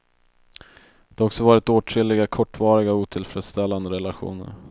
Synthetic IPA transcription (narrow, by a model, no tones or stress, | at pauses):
d̪̥ɛhaɾɔksɔvɑːɾɪt̪oːʈʰɾɪlːɪɡakʰɔʈːvɑːɾɪɡauːt̪ʰɪlfɾɛːd̪st̪ɛlːand̪əɾɛlaɧṵːnə̰ɾ